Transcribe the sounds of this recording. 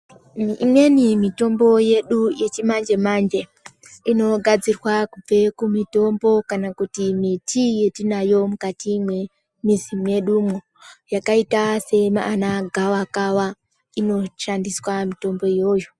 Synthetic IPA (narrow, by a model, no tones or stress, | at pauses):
imwe̞nimito̞mbo̞je̞ɗuje̞t͡ʃimand͡ʒe̞mand͡ʒe̞ | ino̞ɡʱad͡zirwakub͡ve̞kumito̞mbo̞kanakutimitʰije̞tinajo̞mukatimwe̞ | misimuje̞ɗumo | jakaitase̞maːnaɡʱawakawa | ino̞ʃandiswamito̞mbo̞ijo̞jo